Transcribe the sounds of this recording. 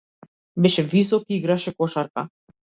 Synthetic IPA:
bɛʃɛvis̬ɔkiiɡɾaʃɛkɔʃaɾka

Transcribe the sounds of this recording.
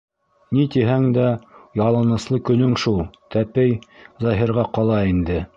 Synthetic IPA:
nit̪iɦæŋd̪æjɑlˠɤnɤ̆slˠɤkɵ̆nɵŋʃulˠt̪æpɘjzɑɦiɾʁɑqɑlˠɑind̪ɘ

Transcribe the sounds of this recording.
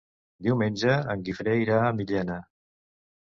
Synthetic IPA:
d̪iwmenʲd͡ʒəəŋɡifɾejɾaəmiʎɛna

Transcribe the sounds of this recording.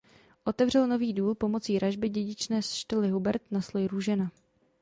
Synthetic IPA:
ʔo̞t̪ɛvr̝ɛlno̞viːduːlpo̞mo̞t͡siːɾaʒbɪɟɛɟɪt͡ʃnɛːsʃt̪ɪlɪɦubɛɾt̪naslojɾuʒɛna

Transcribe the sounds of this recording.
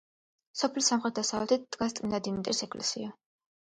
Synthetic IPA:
sɔpʰlisamχɾɛt̪̚d̪asavlɛt̪ʰitt̪ʼkʼast̪ʼinad̪imit̪ʼɾisɛkʰʼlɛ̰sḭa

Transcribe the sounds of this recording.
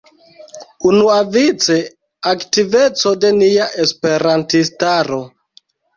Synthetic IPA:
unuavit͡se | aktive̞t͡so̞de̞niaʔespe̞ɾantistaɾo̞

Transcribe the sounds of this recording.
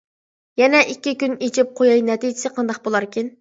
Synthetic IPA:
jɛnɛʔikʲːikʲynet͡ʃʰɪp̚qʰojɑjnɛt̪id͡ʒɪsɪqʰɑnd̪ɑq̚bolˠɑɾkʲin

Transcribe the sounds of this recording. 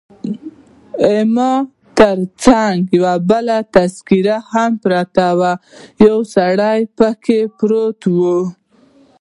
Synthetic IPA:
ɪmɑ | t̪əɾt͡saŋɡjawabəlat̪askiɾahampɾat̪awajawsaɽajpəkʰepɾot̪wu

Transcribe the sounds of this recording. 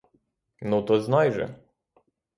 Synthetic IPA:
nut̪ɔznɑjʒɛ̰

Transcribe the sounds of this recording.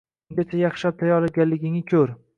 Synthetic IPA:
ŋɡʲat͡ʃʰajɑχʃap̚t̪ʰajɒlaɡʲanlːɪɡʲɪŋɪkʲʰɵɾ

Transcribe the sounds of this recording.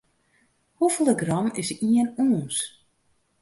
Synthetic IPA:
huvəlˠəɡrɑmɪsiənoːns

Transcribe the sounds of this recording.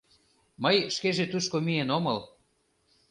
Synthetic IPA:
məjʃkeʒet̪uʃkomienomɤl

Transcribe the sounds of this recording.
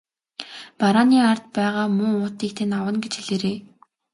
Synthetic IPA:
paɾaːniːart̪̚pæːʁaːmʊːʊːt̪iːkt̪ʰenawə̆nɡet͡ɕxiɮeːɾeː

